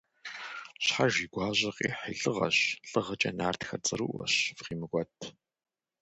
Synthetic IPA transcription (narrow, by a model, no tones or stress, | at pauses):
ɕħaʒiːɡʷɑːʑɐqʼḭːħḭɮɨʁɐ̰ɕɬʼɨʁɐt͡ʃʼɐ̰naːrtxɐrt͡sʼɨɾuʔʷɐ̰ɕfqiːmɨɡʷʼɔtʰ